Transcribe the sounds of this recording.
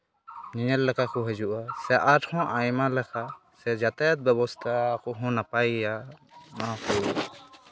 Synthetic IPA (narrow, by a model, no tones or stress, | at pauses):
niɲɛlːɛkakɔɦɛd͡ʒuʔasɛʔaʈhɔ̃ʔajmalɛkʰa | sɛd͡ʒat̪ajat̪̚bɛbɔst̪ʰakɔɦɔ̃napajanakɔ̰